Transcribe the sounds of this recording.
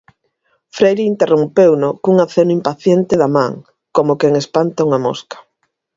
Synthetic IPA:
fɾejɾiint̪erompewnʊkuŋaθenʊimpaθjent̪ɪðamã̰ŋ | komokeŋespant̪auŋamo̰skḁ

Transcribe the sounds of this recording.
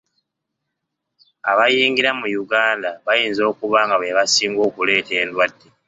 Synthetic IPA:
aβajiːŋɡiɾamujuɡaːndaβajiːnzo̞ːkuβaːŋɡaβeβasiːŋɡo̞ːkule̞ːte̞ːndwadːe̞

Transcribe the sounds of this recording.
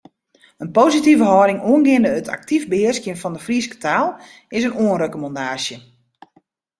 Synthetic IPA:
ənpoːzitivəɦɔːdɪŋoənɡɪəndəətʰa̰k̚tivbəhɪəskjənfɔndəfriskə̥tʰaːlˠ | ɪsənoənrøkomɔndaːsjə

